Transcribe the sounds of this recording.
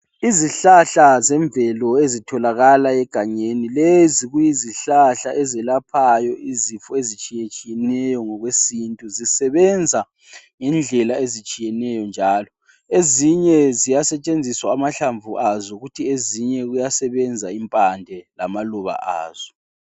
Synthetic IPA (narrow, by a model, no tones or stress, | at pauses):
iziɬaɬazɛɱvɛlɔezitʰɔlaɣalaɛɡ̥ʱaɲenileziɣujiziɬaɬaʔɛzɛlapʰajɔʔizifɔezit͡ʃʼijet͡ʃʼijɛnɛjɔŋɔɣwesintʼuzisɛβɛnd͡zʱa | ŋɛnd͡ɮʱɛlaezit͡ʃʼijɛnɛjɔnd͡ʒʱaːlɔ | eziɲɛzijasɛt͡ʃʼend͡zʱiswaːmaɬaɱvuʔazɔɣutʰieziɲɛɣujasɛβɛnd͡zʱaimpʼandʱɛla̰maluβa̰ʔa̰ːz̥ɔ̥